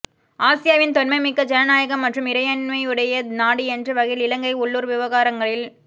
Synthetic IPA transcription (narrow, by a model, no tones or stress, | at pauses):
aːsɪjaːʋɪnt̪ɔnmɐɪmɪkːɐd͡ʒɛnɐnaːjɐɣɐmːɐʈrɯmɪɾɐɪɐnmɐɪɯɽɐjɐnaːɽiɛndrɯʋɐɣɐjlɪɽɐŋɡɐɪʊɭːuːɾʋɪʋɐɣaːɾɐŋɡɐɭɪl